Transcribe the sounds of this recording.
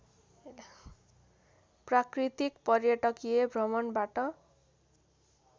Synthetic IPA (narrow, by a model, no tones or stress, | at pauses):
prakrit̪ikpʌrjʌʈʌkijebʱrʌmʌnbaʈʌ